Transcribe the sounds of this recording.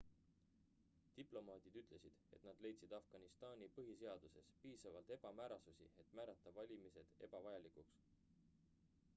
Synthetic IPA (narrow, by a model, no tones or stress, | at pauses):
t̪iplo̞mɑːd̪id̪̥yt̪ˑle̞sid̪̥e̞̰t̪nɑd̪̥le̞jt̪sid̪ɑfɡ̥ɑnist̪ɑːnʲipɤɦise̞ɑd̪̥use̞spiːsɑvɑlt̪e̞b̥ɑmæːɾɑsusḭe̞t̪mæːɾɑt̪ˑːɑvɑlʲimise̞d̪̥e̞̰b̥ɑvɑjɑlikuks